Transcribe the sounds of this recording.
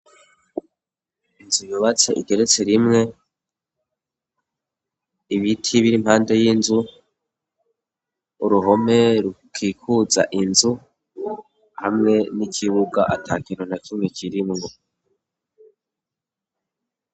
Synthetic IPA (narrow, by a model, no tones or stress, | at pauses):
inzujuβat͡se̞ʔiɡe̞ɾe̞t͡se̞ɾimŋe̞ | iβitʰiβiɾimhaːnde̞jinzu | uɾuɦo̞me̞ɾukʰiːkʰuza̰ʔinzu | hamŋe̞nicʰiβuɡaʔatʰakiɾonakumŋekʰiɾimŋo